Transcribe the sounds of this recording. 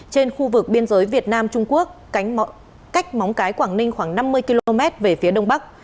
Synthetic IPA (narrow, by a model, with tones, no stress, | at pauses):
t͡ɕe˧nxu˧vɨ˨˩k̚ɓi˧ənzəː˨˦jvi˨˩ət̚naː˧mt͡ɕʊ˧ŋ͡mku˦˥ək̚ːŋ | ka˦˥jk̟̚ma˨˦wŋ͡mkaː˨˦jkwaː˧˩ŋnï˧ŋ̟xwaː˧˩ŋna˧mːɨ˧əjki˧lo˧o˧mɛ˦˥t̚ve˨˩fi˨˦əɗə˧wŋ͡mɓa˦˥k̚